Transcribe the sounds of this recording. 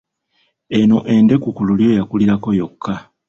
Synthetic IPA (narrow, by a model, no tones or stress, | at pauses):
e̞noʔe̞nde̞kukululjo̞jakuliɾako̞jo̞kʰːa